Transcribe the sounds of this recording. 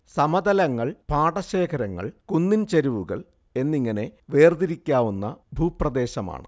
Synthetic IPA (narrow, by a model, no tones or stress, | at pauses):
sɐmɐd̪ɐlɐŋːɐɭpaːɽɐɕe̞ːkʰɐɾɐŋːɐ̰ɭkunːint͡ɕeɾuʋuɣɐ̰ɭ | e̞nːiŋːɐne̞ʋe̞ːrd̪iɾikʲːaːʋunːɐbʱuːprɐd̪e̞ːɕɐma̰ːɳɨ̰